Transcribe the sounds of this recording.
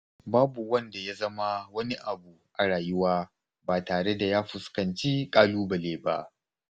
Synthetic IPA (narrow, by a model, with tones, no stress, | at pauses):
baː˦bu˨wɐ˦nda˨ja˦zɐ˦ma˦wɐ˦ni˦ʔa˨bu˨ʔa˨ɽaː˨jʊ˦waː˦ | baː˨taː˨ɽe˦da˨jaː˦ɸʊ˨skɐ˨nt͡ʃi˦kʼaː˦luː˦bɐ˨leː˦ba̰˦ʔ